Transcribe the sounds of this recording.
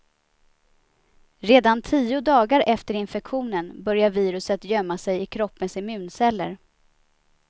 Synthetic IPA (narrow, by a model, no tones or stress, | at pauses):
ɾeːd̪ant̪ʰiːʊd̪ɑːɡaɾʔɛft̪əɾɪnfɛkɧuːnənbœɾjaviːɾɵsət̪jœmːasɛjɪkʰɾɔpːənsɪmʉ̟ːnsɛlːə̰ɾ